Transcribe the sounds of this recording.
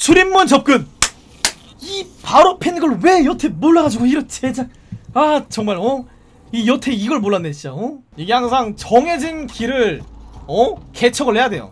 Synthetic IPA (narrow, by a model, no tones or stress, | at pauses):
t͡ɕuɾimːunt͡ɕʌp̚k͈ɯn | ipaɾopʰenɡɯɭwe̞jʌtʰe̞moɭːaɣad͡ʑiɡoiɾʌt͡ɕʰed͡ʑa | at͡ɕʌŋmaɭʌ | ijʌtʰe̞iɡʌɭmoɭːanːeɕʰiaʌjeɡehaŋsʰaŋt͡ɕʌŋɦe̞d͡ʑinkiɾɯɭʌket͡ɕʰʌɡɯɭhe̞jadwe̞jo̰